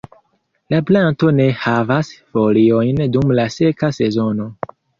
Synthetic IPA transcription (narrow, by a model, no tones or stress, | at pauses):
laplanto̞ne̞havasfolio̞jndumlase̞kase̞zo̞no̞